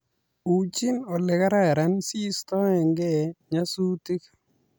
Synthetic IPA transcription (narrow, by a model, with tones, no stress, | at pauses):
u˨t͡ʃi˦nɔ˨lɪ˨ka˦ɾa˦ɛ˨ɾa˦nsi˦st̪ɔ˦ɛ˨ŋɡɛ˦ɲa˦su˦ti˦k